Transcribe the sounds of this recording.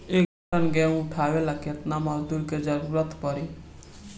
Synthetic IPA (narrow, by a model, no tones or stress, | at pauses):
ek̚dʱ | ənɡɛ̃ũʈʰaʋelaket̪namʌɦd̪uɾked͡ʒəɾuːɾət̪pəɾi